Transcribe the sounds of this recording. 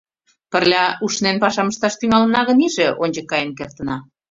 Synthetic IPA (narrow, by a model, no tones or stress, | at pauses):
pə̆rlʲɑuʃnenpɑʃɑməʃt̪ɑʃt̪yŋɑlə̆nɑɣəniʒeʔonʲd͡ʑəkːɑjənkert̪ənɑ